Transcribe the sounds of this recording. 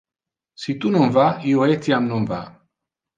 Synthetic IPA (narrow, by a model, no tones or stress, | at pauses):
sit̪unomvaioet̪jamnomva̰